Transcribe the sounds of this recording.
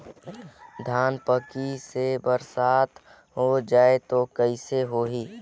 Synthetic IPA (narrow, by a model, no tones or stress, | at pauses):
d̪ʱaːnpəkisebəɾsaːt̪ʰ | ɦod͡ʒaːet̪okəɪseɦoɦiː